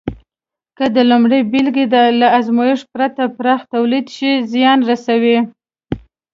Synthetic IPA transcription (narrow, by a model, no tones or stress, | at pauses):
kəd̪əlʊmɽəjbilɡed̪laazmɑjɪʂpɾat̪apɾɑxt̪awlid̪ʃizjɑnɾasawi